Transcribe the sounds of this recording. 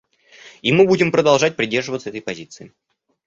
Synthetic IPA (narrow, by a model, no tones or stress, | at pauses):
imɨbudʲɪmpɾəd̪ɐlˠʐat̚ʲpɾʲɪdʲe̞rʐɨvət̪səɛt̪əjpɐzʲit̪sɨɪ